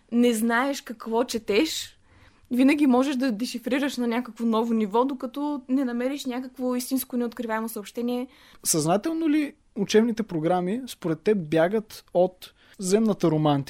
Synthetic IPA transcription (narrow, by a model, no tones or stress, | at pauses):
nɛznaɛʃkɐkvɔt͡ʃɛt̪ɛʃ | vinəɡ̟imɔʒɛʃd̪ɐd̪ɛʃifɾiɾəʃnɐnʲakəkvonɔvonivɔd̪okɐt̪ɔnɛnɐmɛɾiʃnʲakəkvoist̪inskonɛot̪kɾivaɛmosɐopʃt̪ɛniɛ | sɐznat̪ɛlˠnoli | ut͡ʃɛbnit̪ɛpɾoɡɾamispoɾɛt̪ːɛp̚bjaɡət̪ot̪ | zɛmnət̪əɾomant̪i